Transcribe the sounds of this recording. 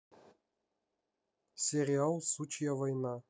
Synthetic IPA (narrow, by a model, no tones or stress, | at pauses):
sʲeɾʲialˠsut͡ɕjavajnɑ